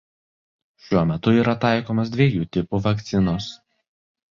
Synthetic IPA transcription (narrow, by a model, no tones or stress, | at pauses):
ʃʲuɔmʲɛt̪ʊiːɾɐt̪ɑˑɪkoːmos̬d̪ʲʋʲieɛjuːt̪ʲɪpuʋɐkt̪sʲɪnoːs